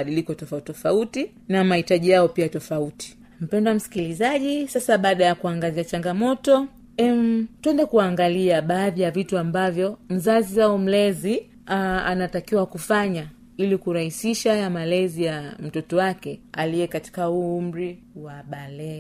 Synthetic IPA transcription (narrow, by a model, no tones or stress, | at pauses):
ɗilikɔtɔfatɔfauti | namahitaʄijaɔpiatɔfauti̥ | m̩pɛndwam̩si̥kilizaʄisasaɓaːɗajakuaŋɡaziat͡ʃaŋɡamɔtɔ | ɛm̩twɛndɛkuaŋɡaliaɓaːðijavituambavjɔm̩zaziaɔm̩lɛzi | aa̰natakiwakufaɲa | ilikuɾahisiʃajamalɛzijam̩tɔtɔwakɛa̰lijɛkati̥kauum̩ɾi | waɓalɛ